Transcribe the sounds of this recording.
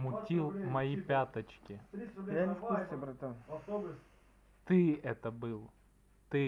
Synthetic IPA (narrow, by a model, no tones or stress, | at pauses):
mʊtʲilˠmɐjipʲat̪ɐt͡ɕkʲɪafkkust̪ʲɛbɾɐt̪ɐ | t̪ɪɛt̪ɐbɨlˠ | t̪ɪ